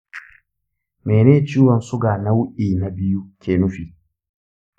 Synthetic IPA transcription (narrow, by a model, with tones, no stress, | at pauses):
mɛ˨neː˦t͡ʃiː˦wɔ˨nsʊ˦ɡaː˨na˦wu˦ʔiː˨na˨bi˦ju˦kʲeː˨nu˦fi˨